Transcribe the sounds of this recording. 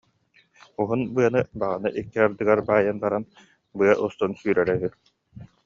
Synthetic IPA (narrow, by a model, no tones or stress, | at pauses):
uɦunbɯɐnɯbaʁanɯʔikːiaɾd̪ɯɡaɾbaːjanbaɾan | bɯɐʔust̪ɔnsyːɾɛɾɛɦy